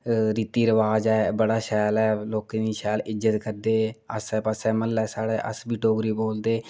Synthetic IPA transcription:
ɾiːt̪iːɾəʋaːd͡ʒɛːbəɽaːʃɛːlɛːloːkẽːd̪iːʃɛːlɪd͡ʒət̪kəɾd̪eːəsɛːpəsɛːməlːɛːsaːɽeːʔə̰sbiːʈoːɡɾiːboːld̪eː

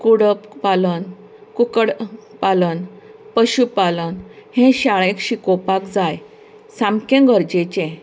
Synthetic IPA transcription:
kuɽəppalən | kukəɽpalən | pəɕupalənhẽɕaɭẽkɕikopakd͡zaj | sãmkẽɡəɾd͡ʑet͡ɕẽ

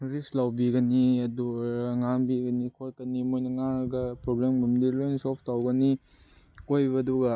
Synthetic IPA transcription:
ɾislawbiɡɐniɐduɾaŋaŋbiɡɐnikʰot̚kɐnimojnɐŋaɡɐpɾoblemmumdilojnsopʰtawɡɐni | kojbɐːduɡɐ

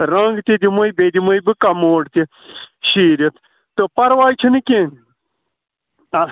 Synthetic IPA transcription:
ɾɐ̃ŋɡt̪id̪imojbeːd̪imojbɨkɐmoːɽt̪i | ɕiːɾet̪ʰ | t̪opɐɾʋaːjt͡ʃʰinikʲen

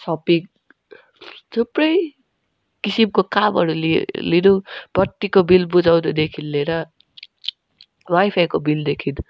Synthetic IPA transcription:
sʌpik̚ | t͡sʰuprʌj | kisimkokamɦʌɾulelidub̥ʌt̪ːikobilbud͡zawd̪ʌd̪ekʰinːeɾʌ | wajpʰajkobild̪ekʰin

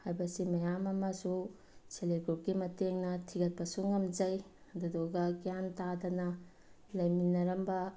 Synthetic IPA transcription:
hajbɐsimɐjamɐmɐsu | seleɡup̚ɡimɐteŋnɐtʰiɡɐt̚pɐsuŋɐmd͡ʒɐj | dudoɡɐɡijantadɐnɐ | lɐjminɐɾɐmbɐ

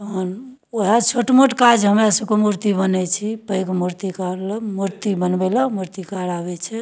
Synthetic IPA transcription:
ən | oɦat͡ʃʰoʈmoʈkad͡ʒɦəmɾasəkomuɾt̪ibənɛt͡ʃʰipəjkmuɾt̪ikaɾləmuɾt̪ibənbɛləmuɾt̪ikaɾaβɛt͡ʃʰɛ

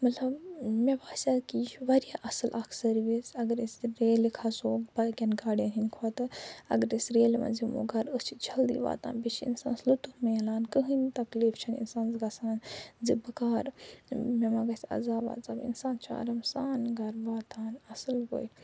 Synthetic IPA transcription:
mɐt̪ʰlɐbmebaːsʲakit͡ʃʋɐɾijaʔɐsɨlʔɐkʰsɐɾʋisɐɡɐɾisɾeːlikʰasoːbɐkʲɐnɡaːɽenɦinkʰot̪ɨɐ̰ɡɐɾisɾeːlma̰zimo̰ɡɐɾəst͡ʃʰit͡ʃʰɐld̪ḭʋa̰ːt̪a̰ːnbit͡ʃʰḭnsã̰ːnslut̪umelaːnkɨɦɨnt̪ɐkliːft͡ʃʰɐnḭnsaːnzɡɐsaːnzibɐkaːɾmemaɡɐsɐ̰zaːba̰ːzaːbḭnsaːnt͡ʃʰa̰ːɾɐmsaːnɡɐɾʋaːt̪aːnɐsɨlɡo̰j

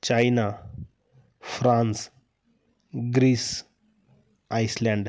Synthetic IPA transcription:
t͡ɕajna | fɾãns | ɡɾiːs | ajslãɳɖ

